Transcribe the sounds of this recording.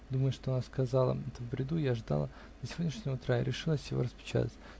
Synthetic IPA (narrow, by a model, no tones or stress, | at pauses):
d̪uməjʊʂt̪oɐnaskɐzalˠə̰ɛt̪əvbɾʲɪd̪ujaʐd̪a̰lˠə | nəsʲɪvodʲnʲɪʂnʲɪəʊt̪ɾaɪɾʲɪʂɨlˠəsʲjɪvo̞̰ɾəspʲɪ̥t͡ɕa̰t̪ətʲ